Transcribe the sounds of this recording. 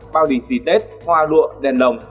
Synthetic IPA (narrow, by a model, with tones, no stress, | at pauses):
ɓaː˧wɗi˧˩si˧˩t̪e˦˥t̚ | hwaː˧lṵ˧˨əɗɛ˨˩nlə˨˩wŋ͡m